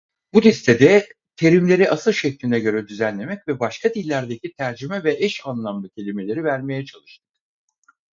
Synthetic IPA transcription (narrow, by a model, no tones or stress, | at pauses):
bud̪ɛst̪ʰed̪ɛ | t̪ʰe̞ɾimlʲe̞ɾiʔasɯlˠʃɛclʲinɛɟø̞ɾɛd̪yzænlʲe̞mɛcvɛbaʃkʰad̪ilʲːæɾd̪e̞cit̪ʰæɾd͡ʒymɛvɛʔɛʃanlˠamlˠɯcʰe̞lʲime̞lʲe̞ɾivæɾme̞jɛt͡ʃʰalˠɯʃt̪ʰɯ